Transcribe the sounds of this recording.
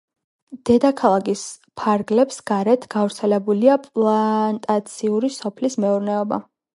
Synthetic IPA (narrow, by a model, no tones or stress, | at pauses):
d̪̥ɛd̪akʰalˠaɡis | pʰaɾɡlɛpsɡ̥aɾɛt̪ʰɡ̥avɾt̪sʰɛlɛbuliapʼlˠant̪ʼat̪sʰiuɾisɔpʰlismɛuɾnɛɔba̰